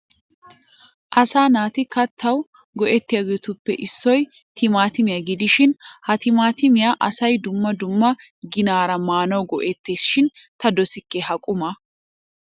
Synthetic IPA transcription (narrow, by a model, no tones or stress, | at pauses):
ʔɐsaːnaːt̪ɪkɐt̪ʰːɐw | ɡɔʔɛt̪ːɪjaɡɛt̪ʊpːɛʔɪsːɔj | t̪ʰɪmaːt̪ɪmɪjaɡɪd̪ɪʃɪnhɐt̪ɪmaːt̪ɪmɪjaːʔɐsɐjd̪ʊmːɐd̪ʊmːɐɡɪnaːɾɐmaːnɐwɡɔʔɛt̪ːeːsʃɪnt̪ɐd̪ɔsɪkːɛhɐkʼʊmɐ